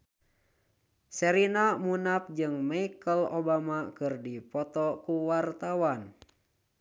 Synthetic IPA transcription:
sɛɾinamunap̚d͡ʒɨŋmaikəlobamakɨrdipɔt̪ɔkuwart̪awan

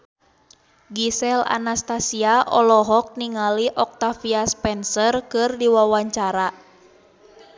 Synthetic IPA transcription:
ɡisɛla̰nast̪asiaʔɔlɔɦɔk̚niŋaliʔɔk̚t̪afiaspɛnsərkɨrdiwawaɲt͡ʃaɾa

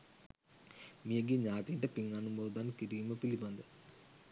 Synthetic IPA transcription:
mijɐɡiɲaːt̪iɳʈɐpiŋɡanumboːd̪aːnkiɾiːmɐpilibɐnd̪ɨ

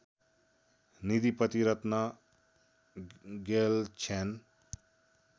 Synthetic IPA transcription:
nid̪ipət̪iɾət̪na | ɡelt͡ʃʰen

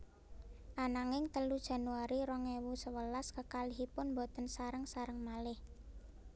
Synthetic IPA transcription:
ʔanaŋɪŋt̪əlud̥ʒ̥a̤nuaɾiɾɔŋewusəwəlaskəkaliɦipʊnmbot̪ənsaɾəŋsaɾəŋmalɪh

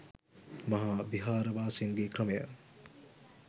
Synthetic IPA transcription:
mɐɦabiɦaːɾɐbaːsinɡekɾɐme

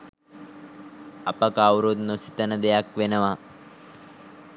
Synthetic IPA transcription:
ɐpɐkaːwɾod̪nosi̥t̪ɐnɐd̪ejakʋenɐʋa

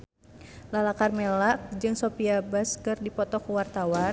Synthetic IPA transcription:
lalakarmɛlak̚d͡ʒɨŋsɔpiabaskɨrdipɔt̪ɔkuwart̪awa

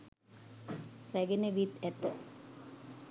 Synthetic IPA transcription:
sæɡenəʋit̪æt̪ːə

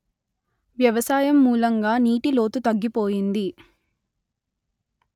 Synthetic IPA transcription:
ʋjɐʋɐsaːjɐmːuːlɐŋɡaːniːʈilo̞ːt̪ut̪ɐɡːipoːjind̪i

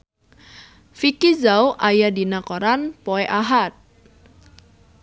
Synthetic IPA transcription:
fikizawʔajadinakoɾanpoeʔaɦat̪̚

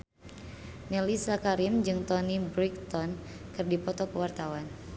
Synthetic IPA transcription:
nelisakaɾimd͡ʒɨŋt̪ɔnibɾik̚t̪ɔn | kɨrdipɔt̪ɔkəwart̪awan

